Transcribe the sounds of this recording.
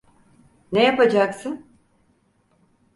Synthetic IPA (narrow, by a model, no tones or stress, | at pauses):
nejapad͡ʒaksɯn